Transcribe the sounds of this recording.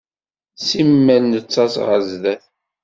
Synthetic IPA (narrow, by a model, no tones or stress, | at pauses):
simːælnət͡sːɑsʁəzðæθ